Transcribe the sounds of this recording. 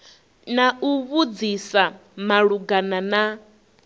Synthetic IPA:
nauβud͡zisamaɺuɡanana

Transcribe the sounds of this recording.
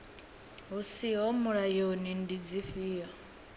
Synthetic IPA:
ɦusiɦɔmuɺajonindid͡ziɸiːɦa

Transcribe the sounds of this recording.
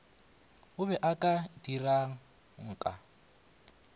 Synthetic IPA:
ʊβɛʔakʼadiraŋ̩ | ŋ̩ːkʼa̰

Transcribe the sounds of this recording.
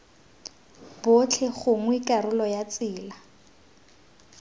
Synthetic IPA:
bot͡ɬʰɛχʊŋwikarʊlɔjat͡sɪːla

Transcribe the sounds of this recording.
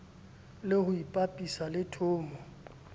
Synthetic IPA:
lɪhʊipʼapʼisalɪtʰʊːmɔ

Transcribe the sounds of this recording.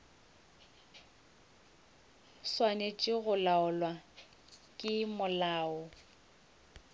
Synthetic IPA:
swanet͡ʃʼɪɣʊlaʊlwa | kʼɪmʊlaːʊ

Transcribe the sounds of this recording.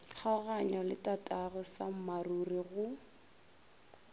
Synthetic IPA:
k͡xʰaɣaɲɔlɪtʼatʼaɣʊsam̩maruriɣʊ

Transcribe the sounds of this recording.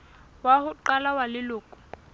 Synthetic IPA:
wahʊǃalawalɪlʊːkʼʊ̥

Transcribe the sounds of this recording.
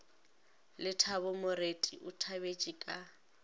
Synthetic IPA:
lɪtʰabʊmʊretʼiʔʊtʰabet͡ʃʼikʼa

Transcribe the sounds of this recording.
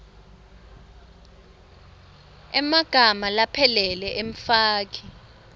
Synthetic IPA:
ɛmaɡ̥ʱamalapʰɛlɛlɛʔeɱfaːk̬ʰi̥

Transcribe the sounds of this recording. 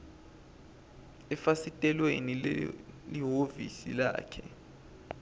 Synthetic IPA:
ɛfasitʼɛlweni | liɦovḭsḭla̰ːkʰɛ

